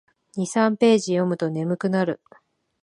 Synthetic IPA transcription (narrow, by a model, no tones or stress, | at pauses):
ɲ̟isãmpe̞ːʑijo̞mɯ̟t̪o̞ne̞mɯ̟kɯ̟naɾɯ̟